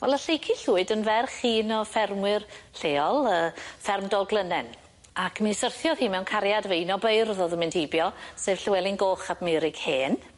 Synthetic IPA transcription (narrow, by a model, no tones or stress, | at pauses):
wɛlˠəɬejkʰiɬuːɨdənvɛrχiːnɔfɛrmwɪrɬeːɔlˠəːfɛrmdɔɡlˠənɛn | akʰmisərθjɔðhiːmɛwnkʰaɾjadveinɔbejrðoðəmɪnd̥hejbjɔsevɬwɛlˠɪnɡoːχab̥mɪɾɪɡ̥heːn